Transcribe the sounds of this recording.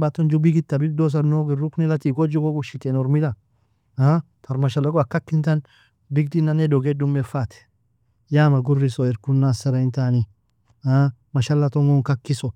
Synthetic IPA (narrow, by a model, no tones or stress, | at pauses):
bat̪ːɔnd͡ʒʊbɪɡɪt̪ːɐbɪɡ̚d̪ɔs̬ɐnːoɡɪrʊknɛlɐt̪iːɡɔd͡ʒuɡɔkʊʃɪt̪enɔɾmɪla | a | t̪ʰɐɾmɐʃɐlɔkɔkːɐkːɪnt̪ɐn | bɪɡd̪inaned̪ɔɡɛd̪ʊmːɛfːat̪ɛ̥ | jaːmɐɡʊrːɪsɔɛɾkʊnːasɐɾɐɪnt̪aːnɪ | amɐʃɐlːɐt̪ɔŋɔŋkɐkːɪsɔ